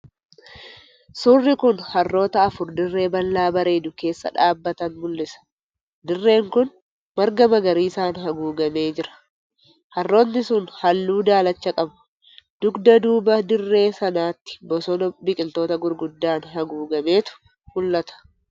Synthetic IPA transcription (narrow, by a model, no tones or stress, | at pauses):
sʊrːɪkʊnhɐrːo̞ːt̪ɐɐfʊɾd̪ɪrːe̞ːbɐlːaːbɐɾeːd̪ʊke̞ːsːɐ̰ᶑaːbːɐt̪ɐnmʊlːɪsɐ̥ | d̪ɪrːe̞ːŋkʊn | mɐɾɡɐmɐɡɐɾiːɪsaːnhɐɡuːɡɐme̞ːd͡ʒɪɾɐ̥ | hɐrːo̞ːnːɪsʊnhɐlːuːd̪aːlɐt͡ʃːɐkʼɐbɐ̥ | d̪̥ʊɡd̪ɐd̪uːbɐd̪ɪrːe̞ːsɐnaːt̪ːɪ̥bɔsɔnɐbɪkʼɪlt̪o̞ːt̪ɐɡʊɾɡʊd̪ːaːnɦɐɡuːɡɐme̞ːt̪ʊ̥ | mʊlːɐt̪ɐ̥